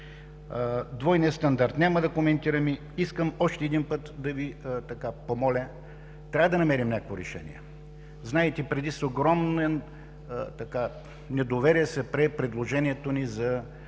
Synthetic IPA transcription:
d̪vɔjniəst̪ɐnd̪aɾt̪nʲaməd̪ɐkomɛnt̪iɾɐmi | iskəmɔʃt̪ɛɛːd̪inpɤt̪d̪ɐvit̪ɐkapomɔlʲə | t̪ɾʲavəd̪ɐnɐmɛɾimnʲakəkvoɾɛʃɛ̰nḭɛ̰ | znaɛt̪ipɾɛd̪isoɡɾɔmnɛn | t̪ɐka | nɛd̪ovɛɾiɛsɛpɾɛpɾɛd̪lˠoʒɛnʲiɛt̪onizɐ

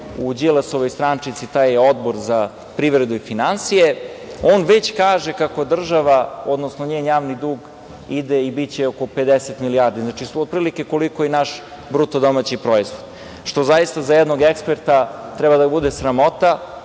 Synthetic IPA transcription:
ud͡ʑilasoʋojst̪ɾant͡ʂit̪sit̪aːjeo̞d̪bo̞ɾza | pɾiʋɾed̪uifinansijeoːnʋe̞t͡ɕkaːʒekako̞d̪r̩ʒaʋao̞d̪nosnoɲeːnjaːʋnid̪uːɡ | id̪eibit͡ɕeokope̞d̪eset̪milijaɾd̪iznat͡ʃiod̪̚pɾilike̞ko̞likojenaʃ | bɾut̪od̪o̞mat͡ɕipɾo̞izʋod̪̥ | ʃt̪o̞zajist̪azajɛd̪noɡekspeɾt̪at̪ɾɛbad̪abud̪esɾamo̞t̪a

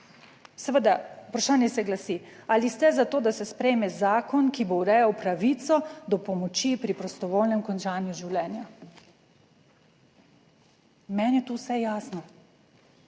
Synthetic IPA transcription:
səʋəd̪aupɾaʃaːnjɛsɛɡlasialist̪ɛzat̪oːd̪asɛspɾɛjmɛzaːkɔnkibowɾɛjawpɾaʋiːt̪sɔd̪ɔpɔmɔt͡ʃipɾipɾɔst̪ɔʋoːlnɛmkɔnt͡ʃaːnjuʒiwlɛːnja | mɛnjɛt̪uːwsɛjaːsnɔ

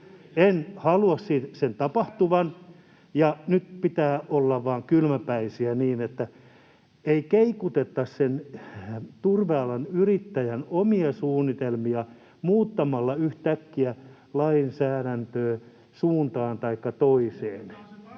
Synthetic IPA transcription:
enhɑluɑssiːt̪sent̪ɑpɑht̪uʋɑn | jɑnyt̪̚pit̪æːʔolːɑʋʋɑːŋkylmæpæisiæniːnet̪ːæ | eikeikut̪et̪ːɑssen | t̪urʋeɑlɑnyrit̪ːæjænomiɑsuːnːit̪elmiɑ | muːt̪ːɑmɑlːɑyht̪ækːiæ | lɑinsæːɾænt̪øː | suːnt̪ɑːnt̪ɑikːɑt̪oiseːn

